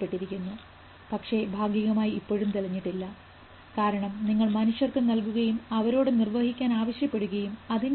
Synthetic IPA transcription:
pːeʈːiɾikʲːunːu | pɐkʂe̞bʱaːɡjiɣɐmaːjiipːo̞ːɻumt̪ilɐɲːiʈːilːɐ | kaːɾɐɳɐmniŋːɐɭmɐnuɕjɐrkɨnɐlkuɣɐjumɐʋɐɾo̞ːɽenirʋɐhikʲːaːnaːʋɐɕjɐpːe̞ɽuɣɐjumɐðin

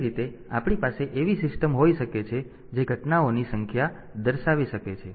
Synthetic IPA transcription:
ɾit̪ea̰pɳ̃ipaseʔeʋisɪsʈəmɦoiʃəket͡ʃʰe | d͡ʒeɡʱəʈnaonisəŋkʰja | d̪əɾʃaʋiʃəket͡ʃʰe

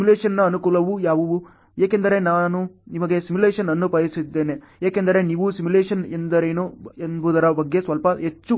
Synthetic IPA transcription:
simuleːʂɐnːɐɐnukuːlɐʋujaːʋɐʋu | jaːkend̪ɐɾe̞naːnunimɐɡe̞simuleːʂɐnɐnːupɐjisid̪ːe̞ːne | jaːkend̪ɐɾe̞niːʋusimuleːʂɐnend̪ɐɾeːnoenbuːd̪ɐɾɐbɐɡːe̞sʋɐlpɐɦet͡ʃːu

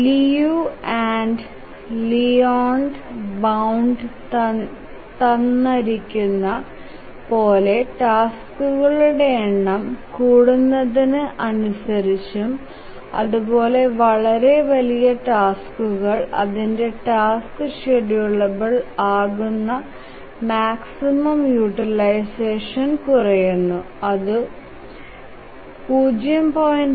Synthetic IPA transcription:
lijuaːɳɖ | lijoːɳɖbɐwɳɖ | t̪ɐnːɐɾikʲːunːɐ | po̞ːle̞ʈaːskuɣɐɭuɽe̞ːɳːɐmkuːɽunːɐðinɨʔɐnusɐɾit͡ɕːum | ɐ̰ðubo̞ːle̞ʋɐɭɐɾe̞ʋɐlijɐʈaːskuɣɐɭɐ̰ðinde̞ʈaːskɨʂeɽijuɭːɐbɐɭaːɣunːɐ | maːksimɐmjuʈːilɐjse̞ːʂɐnkurɐjunːu | ɐðɨ | puːd͡ʑjɐmpoːjn

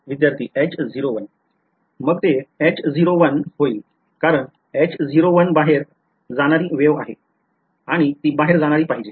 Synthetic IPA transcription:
ʋid̪jaɾt̪ʰiːʔɛt͡ɕd͡ziɾoʋən | məɡt̪eɛt͡ɕd͡ziɾoʋənɦoi | kaɾəɳ | ɛt͡ɕd͡ziɾoʋənbaɦeɾ | d͡zaɽ̃aɾiːʋeʋa̰ɦḛ | aɽ̃it̪iːbaɦeɾd͡zaɽ̃aɾiːpaɦid͡ʑe

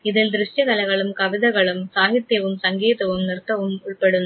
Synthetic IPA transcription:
ɪðɪld̪ɪɾɪʂʈjɐɣɐlɐɪɣɐɭɯmkɐʋɪðɐɣɐɭɯmsaːɣɪt̪ːjɐʋɯmsɐŋɡeːðɐʋɯmnɪrt̪ːɐʋɯmʊɭpɐɽɯn

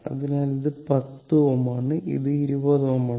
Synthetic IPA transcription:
ɐ̰ðinaːliðɨpɐt̪ːɨomaːɳɨʔḭðɨiɾubɐðomaː

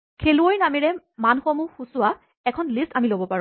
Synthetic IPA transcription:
kʰeluojnamiɹɛ | manxomuxusʊwa | ɛkʰɔnlistamilobɔpaɹ

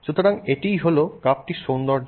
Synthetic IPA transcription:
ʃut̪ʰoɾaŋeʈijɦolokap̚ʈiʃond̪ɔɾ

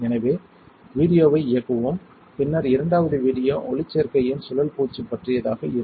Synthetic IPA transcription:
ɛnɐʋeː | ʋiːɽɪjoːʋɐɪɪjɐkːɯʋoːm | pɪnːɐɾɪɾɐɳɖaːʋɐðɯʋiːɽɪjoːʔɔɭɪt͡ʃːeɾkɐjɪnsʊlɐlpuːt͡ʃːipːɐʈrɪjɐðaːɣɐɪɾɯ

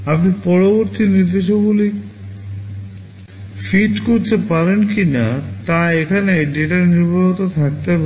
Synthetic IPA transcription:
apnipɔɾoboɾt̪inid̪eʃ̬oɡuli | fiʈkoɾt̪epaɾenkinat̪aekʰaneɖeʈaɾniɾbʱaɦit̪ot̪ʰak̚t̪ep

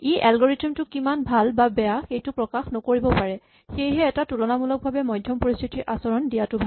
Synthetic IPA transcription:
iʔalɡɔɹitimtʊkimanbʱalbabɛjaxejtʊpɹɔkaxnɔkoɹibɔpaɹɛ | xejɦɛːtatulɔnamulɔk̚bʱabɛmɔjdʱjɔmpoɹist̪ʰitiɹʔasɔɹɔndijatʊbʱa

